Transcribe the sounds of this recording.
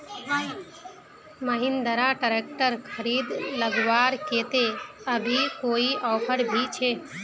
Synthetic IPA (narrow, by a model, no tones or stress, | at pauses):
məɦɪnd̪əɾaʈəɾeːk̚ʈəɾkʰəɾiːd̪ləɡʋaːɾkeːt̪e | əbʱikoːiʔɔːpʰəɾbʱit͡ʃʰeː